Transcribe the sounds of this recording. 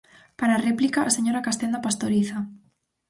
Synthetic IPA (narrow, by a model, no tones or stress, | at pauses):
paɾaːreplikaʔaseɲoɾakast̪end̪apast̪oɾiθa